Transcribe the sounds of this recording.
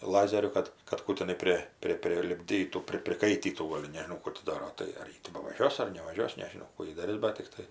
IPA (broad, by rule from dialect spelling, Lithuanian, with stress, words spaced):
ˈlˠɑːzʲɛrʲʊ ˈkɐt kɐt ˈkuː tʲɪˈnɐɪ ˈpʲrʲɪ ˈpʲrʲɪ pʲrʲɪlʲɪbʲˈdʲiːtuː ˈpʲrʲɪ pʲrʲɪˈkɐɪtʲiːtuː ˈɡoːlʲ nʲɛʒʲɪˈnɐʊ ˈkuː tʲɪ ˈdɑːroː ˈtɐɪ ɐr ˈjɪ tʲɪ bɐʋɐˈʒʲuɔs ɐr nʲɛʋɐˈʒʲuɔs nʲɛʒʲɪˈnɐʊ ˈkuː jɪ dɐˈrʲɪs ˈbɐt tʲɪkˈtɐɪ